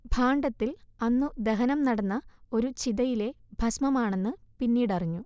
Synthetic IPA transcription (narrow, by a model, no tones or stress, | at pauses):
bʱaːɳɖɐt̪ːilɐnːud̪eɦɐnɐmnɐɽɐnːɐo̞ɾut͡ɕiðɐjile̞bʱɐsmɐmaːɳe̞nːɨpinːiːɽɐriɲːu